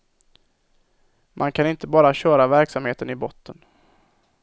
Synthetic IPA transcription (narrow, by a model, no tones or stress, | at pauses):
mʔankʰanɪnt̪əbɑːɾaɕœːɾavæɾksamheːt̪ənɪbɔt̪ʰːən